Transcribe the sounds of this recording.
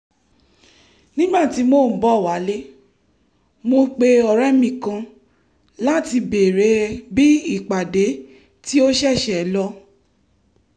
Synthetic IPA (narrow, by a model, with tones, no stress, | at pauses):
nĩ˦ɡ͡ba˦˨ti˨˧˦mo˦˨m̩˨˦bɔ˨˦˨wa˨˦le˦ | mo˧k͡pe˧ɔ˨ɾɛ˦mĩ˦˨kã˧ | la˦ti˧be˨ɾe˨˦bi˦i˦˨k͡pa˨de˨˦ | ti˦o˦ʃɛ˦˨ʃɛ˨˦lɔ˧